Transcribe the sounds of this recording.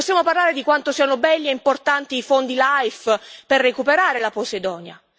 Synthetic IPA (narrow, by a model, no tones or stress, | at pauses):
pɔsːjamoparlaːɾed̪ikwant̪osianobɛlːiɛimport̪ant̪iːfond̪ilajfperːekupeɾaːɾelaposed̪ɔːnja̰